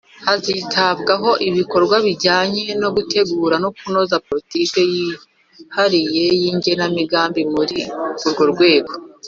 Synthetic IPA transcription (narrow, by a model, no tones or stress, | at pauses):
hazitaβɡaɦo̞ʔiβiko̞ɾɡwaβiɟaːɲe̞no̞ɡute̞ɡuːɾanokuno̞zapo̞ɾitike̞ji | haɾije̞jiːɲɟe̞namiɡaːmbimuɾiuɾɡo̞ɾɡwe̞ːɡo̞